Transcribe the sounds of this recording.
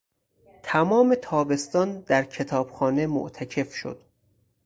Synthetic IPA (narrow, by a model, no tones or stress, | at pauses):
t̪ʰæmɒːme̞t̪ʰɒːbe̞st̪ɒːnd̪̥æɾcʰe̞t̪ʰɒːb̥xɒːne̞mo̰ʔt̪ʰæcʰe̞fʃo̞̰d̪̥